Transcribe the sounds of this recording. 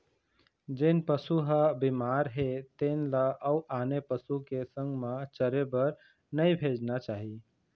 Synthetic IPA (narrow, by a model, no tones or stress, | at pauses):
d͡ʒenpəsuɦəbimaɾɦet̪enlaʔəuʔanepəsukesə̃ŋɡmet͡ʃəɾebəɾ | nəjbʱed͡ʒnat͡ʃaːɦi